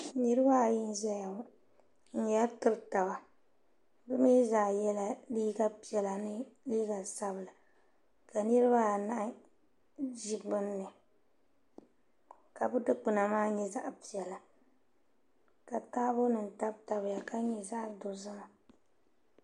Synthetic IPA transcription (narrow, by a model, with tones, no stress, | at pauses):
nɨ˦ɾɨ˦ba˦˨jɪ˦n˦zɛ˦ja˨ | n̩˦ja˦ltɨ˦ɾta˨ba˨ | bɨ˦mi˦zaː˨jɛ˦la˦liː˦ɡa˦pi˨ɛ˨la˨nɨ˦liː˦ɡa˨sa˦bɨ˨la˨ | ka˨nɨ˦ɾɨ˦ba˦˨na˦ʔ | d͡ʒi˦bɨ˦nːɨ˨ | ka˨bʊ˦dɨ˦k͡pɨ˨na˨maː˦ɲɛ˦za˦ʔpi˨ɛ˨la˨ | ka˨taː˦bʊ˦nɨ˨n̩˨ta˦bta˨bɨ˨ja˨ka˦ɲɛ˨za˦ʔdo˨za˦˨